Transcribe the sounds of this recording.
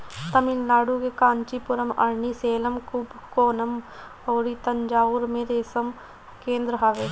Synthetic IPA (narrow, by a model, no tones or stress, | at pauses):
t̪ɐmɪlnaːɽukekãːnt͡ʃipʊɾəmɐ̰ɾɳiseːləmkʊbʱkoːnəm | oːɾit̪ɐɲd͡ʒaːʊɾmẽɾeːsəm | kẽːnd̪ɾəɦaʋe